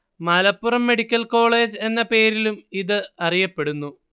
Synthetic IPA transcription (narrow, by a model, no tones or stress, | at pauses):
mɐlɐpːurɐmːe̞ɽikʲːɐlko̞ːɭe̞ːd͡ʑɨe̞nːɐpe̞ːɾilumiðɨɐrijɐpːe̞ɽunːu